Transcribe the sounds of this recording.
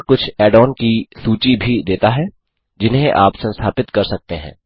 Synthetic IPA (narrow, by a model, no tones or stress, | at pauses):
kʊt͡ʃʰɛːɖɔːnkisuːt͡ʃibʱid̪eːt̪aɦɛ | d͡ʒɪnɦẽʔa̰ːpsɐ̃nst̪ʰaːpɪt̪kɐɾsɐk̚t̪eɦɛ̰̃ː